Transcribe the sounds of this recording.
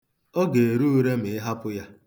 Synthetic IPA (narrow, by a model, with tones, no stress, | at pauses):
ɔ˦ɡe˨e˨ɾu˦u˦ɾe˦m̩ɪ˨ɪ˦ɦa˦pʊ˦ja˦